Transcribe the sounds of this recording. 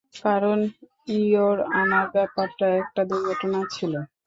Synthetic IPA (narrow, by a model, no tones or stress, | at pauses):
kaɾon | ioɾanaɾbɛpaɾʈaɛk̚ʈad̪uɾɡʱɔʈonat͡ɕʰilo